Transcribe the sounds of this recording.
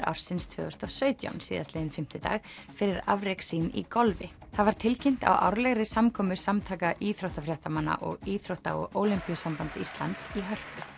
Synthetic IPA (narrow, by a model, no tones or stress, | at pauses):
ɾʔa̰wɾ̥sɪnst̪ʰvœ̰ːɣʏst̪ɔsœːɥt̪ja̰wnsiːðast̪lɪːðɪnfɪm̥t̪ɪt̪a̰ːɣ | fɪɾɪɾa̰vɾɛksinḭkɔlvɪθaðvaɾ̥t̪ʰɪlcɪn̥t̪a̰wʔa̰wɾlɛɣɾɪsamkʰɔːmʏsamt̪ʰaːkaʔiθɾoht̪afɾjɛht̪amanːa̰ʔɔɣiːθɾowht̪a̰ɔ̰ɣoːwlimpijʏsampant̪sist̪la̰nt̪siɦœr̥pḁ